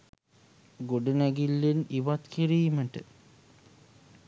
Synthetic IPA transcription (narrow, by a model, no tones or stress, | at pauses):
ɡoɖənæɡilːeniʋat̪kiɾijiməʈə